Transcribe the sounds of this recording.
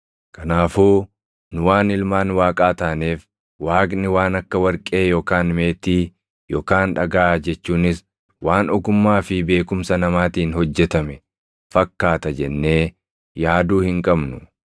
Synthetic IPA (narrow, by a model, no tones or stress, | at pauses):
kʰɐnaːfuː | nʊwaːnɪlmaːnwaːkʼaːt̪aːneːf | waːkʼnɪwaːnɐkːɐwɐɾkʼe̞ːjoːkaːnme̞ːt̪iː | joːkaːnᶑɐɡaʔaːd͡ʒɛt͡ʃːuːnɪs | waːnɔkʊmːaːfɪbe̞ːkʊmsɐnɐmaːt̪iːnhɔd͡ʒːɛt̪ɐmɛ | fɐkːaːt̪ɐd͡ʒɛnːe̞ː | jaːd̪uːhɪŋkʼɐbnʊ